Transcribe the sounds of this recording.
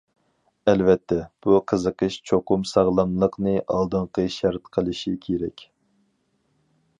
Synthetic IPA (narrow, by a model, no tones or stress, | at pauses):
ɛlvɛt̪ʰːɛb̥uqʰəzəqəʃt͡ʃʰoqʊmsɑʁlˠɑmlˠəqnɨʔɑlˠd̪ɨŋqəʃɛɾt̪qʰəlˠɨʃikʲʰeɾɛkʲ